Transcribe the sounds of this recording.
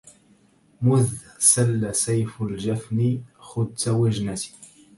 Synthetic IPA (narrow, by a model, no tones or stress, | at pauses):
mʊðsalːasajfʊld͡ʒafnixʊd̪̚tawɪʒnat̪i̥